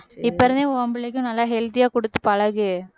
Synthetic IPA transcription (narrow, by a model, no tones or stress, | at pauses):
ɪpːɐɾɐnẽɐmbɪɭɪk̬ʲːʊ̃nɐlːaːɦɛlt̪ijaːkɔɽɯt̪ːɯpɐɻɐɣɯ